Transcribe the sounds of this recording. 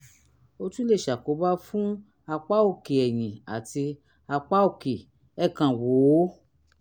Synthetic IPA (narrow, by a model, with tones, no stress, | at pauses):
o˧tũ˦le˦˨ʃa˨ko˨˦ba˦fũ˦ | a˧k͡pa˦o˧˨ke˨ɛ˨j̃ĩ˨a̰˨ti˧ | a˧k͡pa˦o˦˧˨ke˨ | ɛ˦kã˨wo˨˦